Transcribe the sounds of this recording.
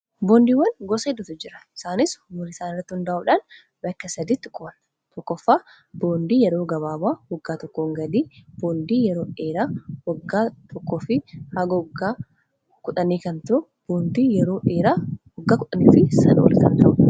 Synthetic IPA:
boːnd̪iːwːɐnɡoseːd̪ːʊt̪ʊd͡ʒɪɾɐ̥ʔɪ̥saːnɪshʊmʊɾɪsaːnɪrːɐt̪ːɪhʊnd̪aːʔʊːᶑan | bɐkːɐsɐd̪iːt̪ːɪkʼʊbɐn | t̪ɔkːɔfːaː | b̥oːnd̪iːjɛɾo̞ːɡɐβaːbaːhɔɡːaːt̪ɔkːoːŋɡɐd̪iːb̥oːnd̪iːjɛɾo̞ːᶑe̞ːɾaːwɔɡːaːt̪ʰɔkːoːfɪhɐɡɐɔɡːaː | kʊᶑɐniːkɐnt̪ʊʔʊ | b̥oːnd̪iːjɛɾo̞ːʔeːɾaːhɔɡːaːkʊᶑɐniːfɪsɐ̰nɐo̰lɪ̰sɐnt̪ɐʔʊ

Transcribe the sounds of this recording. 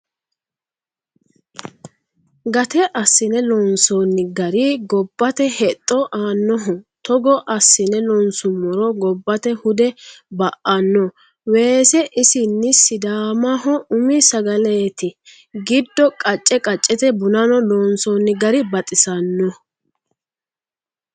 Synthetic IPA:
ɡɐt̪ɛʔɐsːɪnɛlɔnsɔːnːɪɡɐɾɪɡɔbːɐt̪ɛhɛt̪ʼːɔʔaːnːɔɦʊt̪ɔɡɔʔɐsːɪnɛlɔnsʊmːɔɾɔɡɔbːɐt̪ɛhʊd̪ɛbɐʔɐnːɔ | we̞ːsɛʔɪsɪnːɪsɪd̪aːmɐɦɔʔʊmɪsɐɡɐleːt̪ɪ | ɡɪd̪ːɔkʼɐt͡ʃʼːɛkʼɐt͡ʃʼːɛt̪ɛbʊnɐnɔlɔːnsɔːnːɪɡɐɾɪbɐt̪ʼɪsɐnːɔ

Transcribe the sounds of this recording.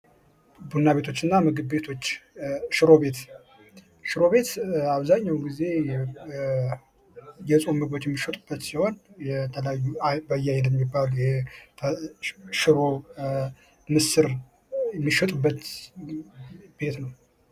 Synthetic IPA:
bunːaβe̞t̪ʰo̞t͡ʃːɨnːamɨɡɨdbe̞t̪ʰo̞t͡ʃːʃɨɾo̞βe̞t̪ | ʃɨɾo̞βe̞t̪aβzaɲːawɡize̞ | jɛsʼomɨɡot͡ʃːjɛmːiʃɛt̪ʼɨb̥ːət̪siho̞njɛt̪ʰəlajːubəjːajɛnɛmːibːaljɛ | ʃɨɾo | mɨsɨɾ | jɛmːiʃɛt̪ʼɨbːət̪ | b̥e̞t̪nəw

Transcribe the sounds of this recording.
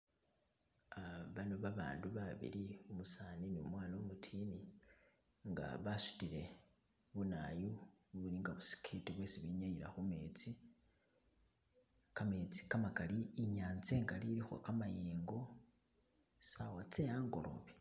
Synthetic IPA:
aβanoβaβa̰ːnduβaβḭliumusaniniumwaːnomutʰini | ŋɡa̰βasu̥tile̞ | βuna̰ju | βuliŋɡaβusi̥kʰitiβwe̞ːsiβiɲajiɾa̰xume̞t͡si | kame̞t͡si̥kamakaliːɲaːnt͡seːŋɡaliɾixo̰kamajeːŋɡo̞ | sawat͡sejaːŋɡo̞̰lo̞̰βi̥

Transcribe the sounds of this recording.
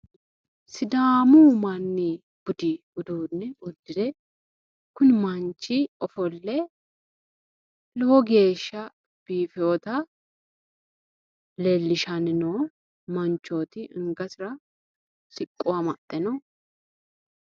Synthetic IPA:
sɪd̪aːmuːmɐnːɪ | b̥ʊd̪ɪ | ʊd̪uːnːɛʊd̪ːɪd̪ɛ | kʊnɪmɐnt͡ʃːɪɔfɔlːɛ | lɔhɔɡe̞ːʃːɐ | b̥iːfɪot̪ɐ | lelːɪʃɐnɪnoː | mɐnt͡ʃːo̞ːt̪ɪʔɪŋɡɐsɪɾɐ | sɪkʼːʊwɐmɐt̪ʼːɛnɔ

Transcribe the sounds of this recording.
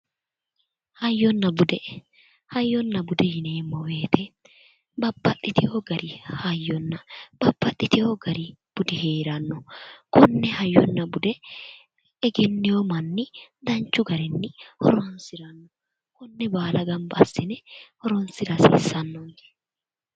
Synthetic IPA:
hɐjːɔnːɐbʊd̪ɛ | hɐjːɔnːɐbʊd̪ɛjɪneːmːɔweːt̪ʰɛ | bɐbːɐt̪ʼːɪt̪ɪhoɡɐɾɪhɐjːɔnːɐb̥ɐbːɐt̪ʼːɪt̪ɪhoɡɐɾɪb̥ʊd̪ɪheːɾɐnːɔkɔnːɛhɐjːɔnːɐbʊd̪ɛ | ɛɡɛnːɪjɔmɐnːɪd̪ɐnt͡ʃːʊɡɐɾɛnːɪhɔ̰ɾɔnsɪɾɐnːɔ | kɔnːɛbaːlɐɡɐmbɐɐsːɪnɛhɔɾɔnsɪɾɐsḭːsːɐnːɔnd̪ɛ̥

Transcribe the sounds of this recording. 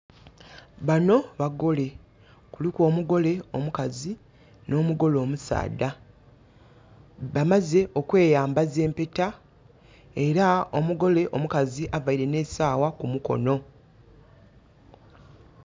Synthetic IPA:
βano̞βaɡo̞le̞ | kulikwo̞ːmuɡo̞le̞o̞mukazi | no̞ːmuɡo̞lo̞ːmusa̰ːda | βamaze̞ʔo̞kwe̞ːjaːmbaze̞ːmpe̞ta | e̞ɾao̞muɡo̞le̞ʔo̞mukaziʔavaiɾe̞ne̞ːsaːwakumuko̞̰no̞

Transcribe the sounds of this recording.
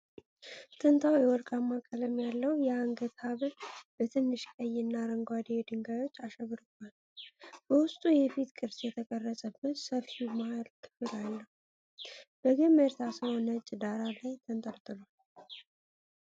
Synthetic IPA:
t̪ʰɨnt̪ʰawjɛwɔlkʼamːakʼələmjalːəwjɛaŋɡət̪haβɨlb̥ət̪ʰɨnːɨʃkʼəjɪnːaɾəŋɡʷad̪ed̪ɨŋɡajo̞t͡ʃːaʃɛβɨɾɨkʰal | b̥əwʊst̪ʼujɛfit̪kʼɨɾsjɛt̪ʰəkʼərːəsʼəbːət̪səfimahalt̪ʰɨ̥fɨlalːəhu | b̥əɡɨməɾt̪ʰasəwnət͡ʃʼːd̪aɾalajt̪ʰənt̪ʼəlt̪ʼɨlal

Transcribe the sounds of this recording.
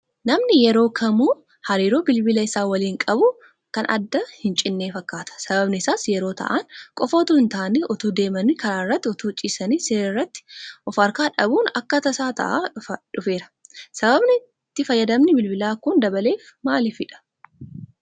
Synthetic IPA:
nɐmnɪjɛɾo̞ːkʰɐmuː | hɐɾiːɾo̞ːbɪlbɪlɐɪsaːwɐliːŋkʼɐbʊ | kɐnɐ̰d̪ːɐhɪnt͡ʃʼɪnːeːfɐkːaːt̪ɐ̥sɐbɐbnɪsaːsjɛɾo̞ːt̪ɐ̰ʔɐnkʼɔfoːt̪uɪnt̪aːnɪʔɔt̪uːd̪e̞ːmɐnɪkɐɾaːɪrːɐt̪ːɪɔt̪uːt͡ʃʼːiːsɐniːseːɾɐɪrːɐt̪ːɪ̥ʔɔfɐɾkaːᶑɐbuːnɐkːɐt̪ɐsaːt̪ɐ̰ʔa̰ᶑʊfe̞ːɾɐ̥sɐbɐbnɪ | t̪ːɪfɐjːɐd̪ɐmnɪbɪlbɪlaːkʊnd̪ɐbɐle̞ːfmaːlɪfɪᶑɐ̥

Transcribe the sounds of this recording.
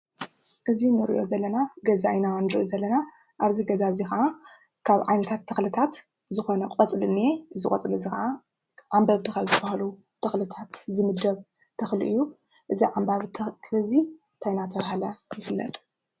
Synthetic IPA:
ʔɨzinɨɾḭʔo̞zɐlːɐnaɡɐzainanɨɾɨʔuzɐlːɐna | ʔaβziɡɐzazixɐʔa | kʰaβʕa̰jnɐt̪ʰat̪ʰːɐxlɨt̪ʰat̪ | zɨxo̞nɐkʼɐt͡sʼlɨnːieʔɨzɨkʼɐt͡sʼɨlɨzixɐʔa | ʕambɐβd̪ɨxazt̪ʰɨbahalu | t̪ʰɐxlɨt̪ʰat̪zɨmɨd̪ːɐβ | t̪ʰɐxlḭʔɨjːu | ʔɨziʕambaβʰslɐzi | t̪ʰajnat̪ʰɐβhalɐjɪfɨlːɐ̰t̪ʼ

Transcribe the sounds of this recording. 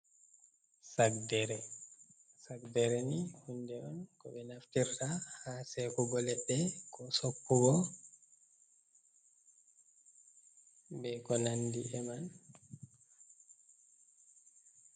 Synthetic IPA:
sakdɛɾɛ | sakdɛɾɛnihundɛʔɔnkɔɓɛnaftiɾtahasɛkɔɡɔlɛɓːɛkʰɔsokːuɡɔ | bɛkɔnandiʔɛman

